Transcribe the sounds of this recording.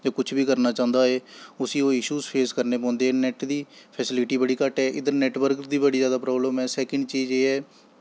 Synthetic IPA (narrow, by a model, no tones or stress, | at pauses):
d͡ʒaːkʊt͡ʃʰbiːkəɾnaːt͡ʃãːʊ̃nd̪aːeːʊsiːoːɪʃuːzpʰeːskəɾneːpɔ̃ːnd̪eːɛːnɛːʈd̪iːpʰɛːsɪlɪʈiːbəɽiːkəʈɦɛːʔɪd̪əɾnɛːʈʋəɾkd̪iːbəɽiːzjaːd̪aːpɾɔːbləmɛːsɛːkəɳɖt͡ʃiːzeːɛː